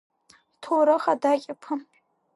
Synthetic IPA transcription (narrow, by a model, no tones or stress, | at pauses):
tʰoɾɨχadakʲʼapʰɨ